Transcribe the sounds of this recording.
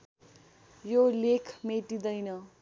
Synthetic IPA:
jolekʰmeʈid̪ʌjnʌ

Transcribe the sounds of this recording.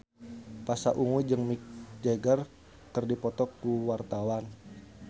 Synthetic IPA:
pasaʔuŋud͡ʒəŋmik̚d͡ʒeɡər | kərdipɔt̪ɔkuwart̪awan

